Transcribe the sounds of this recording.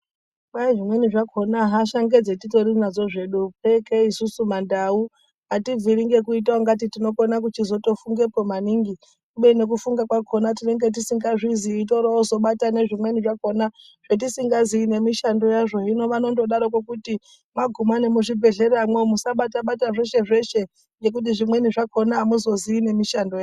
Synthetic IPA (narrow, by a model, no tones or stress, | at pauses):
ɓaiʐimwe̞niʐakʰo̞naɦaʃaŋɡe̞d͡zetito̞ɾinazo̞ʐe̞ɗupekeisusumandau | ɦativʱiɾiŋɡe̞kuit̬aoŋɡat̬itino̞konak̬ut͡ʃizo̞to̞fuŋɡe̞pomaniŋɡi | kuɓene̞k̬ufuŋɡakwakʰo̞natine̞ŋɡe̞t̬isiŋɡaʐiziːt̬o̞ɾaozo̞ɓatane̞ʐimwe̞niʐako̞na | ʐ̥et̬isiŋɡaziine̞miʃando̞jaʐo̞ino̞ʋano̞ndoɗaɾok̬wokuti | maɡʱumane̞muʐibʱe̞ɮe̞ɾamwemusaɓataɓataʐe̞ʃe̞ʐe̞ʃe | nd͡ʒe̞k̬ut̬iʐimwe̞niʐako̞naːmuzo̞ziine̞miʃando̞ja